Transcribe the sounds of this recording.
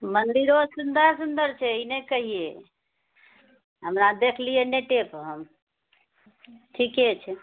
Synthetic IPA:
mənd̪iɾosund̪əɾsund̪əɾt͡ʃʰɛinekəɦije | ɦəmɾad̪ekʰlijeneʈepɦəm | ʈʰiket͡ʃʰɛ

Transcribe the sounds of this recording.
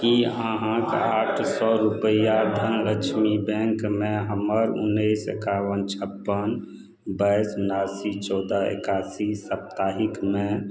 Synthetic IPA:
kiəɦãkaːʈʰsɔɾupəjad̪ʱənɾət͡ʃʰmibɛ̃ŋkmẽɦəməɾʊ̰nːəsḛkaːwənt͡ʃʰəpːən | bəɪsunaːsit͡ʃɔːd̪aḛkaːsisəp̚t̪aːɦikmẽ

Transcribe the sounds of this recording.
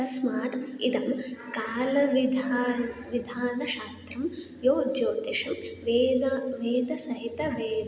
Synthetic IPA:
ɐsmaːt̪ḭd̪ɐmkaːlɐʋid̪ʱʋid̪ʱaːnɐʃaːst̪ɾɐm | joːd͡ʒoːd̪eʃɐmʋeːd̪ɐʋeːd̪ɐsɐɦit̪ɐʋeːd̪

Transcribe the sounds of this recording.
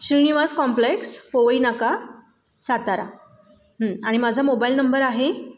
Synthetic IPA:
ɕiɳ̃iʋaskɔmplekspoʋəinaka | sat̪aɾa | ɦəaɽ̃imad͡zʱamobailnəmbəɾaɦe

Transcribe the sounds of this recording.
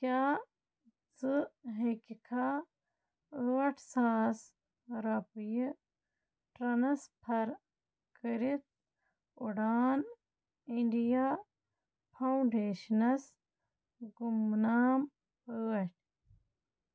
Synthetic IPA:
kaː | t͡sɨɦekikʰa | əɐʈʰsaːs | ɾɐpji | ʈɾɐnɐspʰɐɾ | kəɾit̪̚ | uɖaːn | iɳɖijaː | pʰɐwɳɖeːʃnɐs | ɡumnaːm | pəːɐʈʰʲ

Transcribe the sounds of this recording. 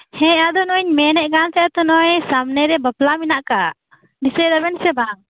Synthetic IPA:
hɛ̃ad̪ɔnɔɲmɛnɛʔɡansɛat̪ɔnɔjsamnɛɾɛbəplaminaʔka | ɖisɛd̪abɛnsɛbaŋ

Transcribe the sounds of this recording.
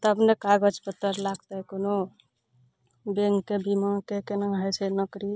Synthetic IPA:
t̪əbnekaɡəd͡ʒpət̪ːəɾlaɡt̪əkono | beŋɡkːebimãkekenaɦət͡ʃʰɛnəkɾi

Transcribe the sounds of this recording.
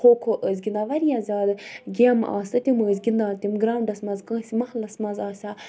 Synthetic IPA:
oːkʰoʔəzɡʲind̪aʋɐɾijaːzʲaːd̪ɨɡʲema̰ːsɨt̪ʲiməːzʲɡʲind̪aːt̪ʲimɡɾaːwɖɐsmɐzkɐ̃ːsimɐhlɐsmɐzaːsʲa

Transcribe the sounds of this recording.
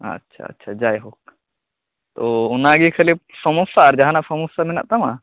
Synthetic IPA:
ɐ̰tːʃʰa̰ɐ̰tːʃʰad͡ʒaːjɦoːk | t̪oʊnaɡikʰɐlipsɐmusaɾd͡ʒɐɦanasɐmosamina̰ʔt̪ɐma

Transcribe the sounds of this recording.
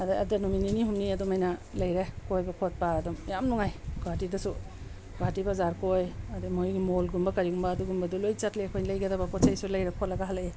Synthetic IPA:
ɐdaɐdanumininiɦumniɐdumajnalɐjɾekojbɐkʰot̚paːdɔmjamnuŋajɡatidɐsu | ɡatibɐzaɾkojɐdumojɡimolɡumbɐkɐɾiɡumbaːduɡumbɐdulojt͡ʃatliɐkʰojnilɐjɡɐdɐbakɔtt͡ʃʰajsulɐjɾekʰotlɐɡaɦalaje

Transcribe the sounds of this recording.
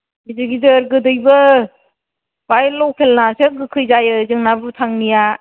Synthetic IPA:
bizɯɡidɯɾɡɯdɯjbɯ | bajlɔkʰelnaseɡɯkʰɯjzajɯzɯŋnabɯtʰaŋnija

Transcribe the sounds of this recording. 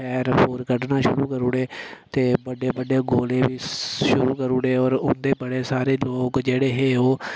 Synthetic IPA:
ɛːɾpoːɾkəɽnaːʃʊɾuːkəɾuːɽeːt̪eːbəɖeːbəɖeːɡoːleːʋiːʃʊɾuːkəɾuːɽeːɔːɾʊnd̪eːbəɽeːsaːɾeːloːkd͡ʒeːɽeːɦeːoː

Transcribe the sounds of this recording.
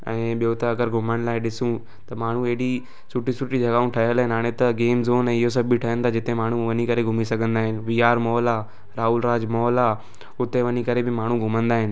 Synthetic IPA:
ɛ̃ːɓijot̪ɐɐɡəɾɡʱʊməɽ̃̆laːɪɗɪsũ | t̪ɐmaːɳ̤ũeɦɪɽi | sʊʈisʊʈid͡ʑʱɐɡaːũʈʰɐɦəlɦɪnɦaːɽ̃et̪ɐɡeːmzoːnɛ̃ːɪɦos̬ɐbʱiʈʰɐɦjə̃nd̪ad͡ʑɪt̪ẽmaːɳ̤ũʋɐnikɐɾeɡʱʊmisɐɡʱə̃nd̪aːɦɪnɪ̆ʋiːaːɾmɔːlaː | ɾaːulɾaːd͡ʑmɔːlaː | ʊt̪eʋɐɲikɐɾebɪmaːɳ̤ũɡʱʊmə̃nd̪aːɦɪnɪ̆

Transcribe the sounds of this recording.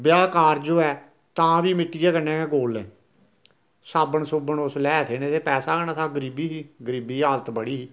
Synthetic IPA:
bjaːkaːɾd͡ʒoːɛː | t̪ãːʋiːmɪʈːɪjɛːkəɾnɛ̃ːɛ̃ːɡoːlɛː | saːbəɳsʊbəɳʊslɛːt̪ʰeːneːt̪ʰeːpɛːsaːkənaːt̪ʰaːɡəɾiːbiːɦiːɡəɾiːbiːaːlət̪bəɽiːiː

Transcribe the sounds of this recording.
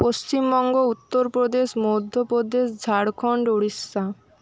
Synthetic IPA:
post͡ɕimbɔŋɡout̪ːoɾpɾod̪eʃmod̪ʱːopɾod̪eʃd͡ʑʱaɽkʰɔɳɖoɽisːa

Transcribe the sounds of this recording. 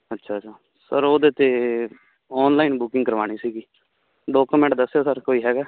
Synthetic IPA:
ətːʃʰaːt͡ʃʰaː | səɾoːd̪eːt̪eː | ɔːnlaːiːnbʊkɪ̃ŋɡkəɾʋaːɽ̃iːsiːɡiː | ɖoːkumɛ̃ːɳʈd̪əsːeaːsəɾkoːiːɦɛːɡaː

